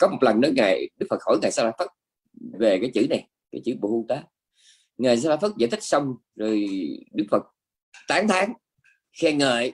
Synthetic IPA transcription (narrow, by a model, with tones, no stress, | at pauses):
kɔ˨˦mo˨˩t̚lə˨˩nɗə˨˦jŋaː˨˩jɗɨ˦˥k̚fə˨˩t̚ho˧˩˦jŋaː˨˩jsaː˧˥laː˧˥fə˦˥t̚ | ve˨˩kaː˨˦jt͡ɕɨ̰˧˩na˨˩j | kaː˨˦jt͡ɕɨ̰˧˩ɓo̰˧˨˦hu˧ŋt̪aː˨˦ | ŋaː˨˩jsaː˧tla˧˥fə˦˥t̚za̰˧˨jt̪ʰi˦˥k̚sə˧wŋ͡m | zo˨˩jɗɨ˦˥k̚fə˨˩t̚ | t̪aː˨˦ŋt̪ʰaː˨˦ŋ | xɛ˧ŋəː˧˨j